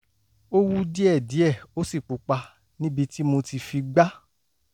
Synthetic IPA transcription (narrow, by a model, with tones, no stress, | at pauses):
o˦wu˦di˦ɛ˦˨di˨˦ɛ˦˨o˦si˦˨k͡pu˨k͡pa˧ | nĩ˦bi˧ti˦mo˧ti˧fi˧ɡ͡ba˦